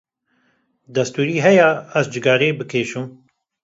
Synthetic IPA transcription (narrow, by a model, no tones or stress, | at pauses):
d̪ɐst̪uːɾiːɦɛjaɐzd͡ʒɪɡɑːɾeːbɨkʰeːʃum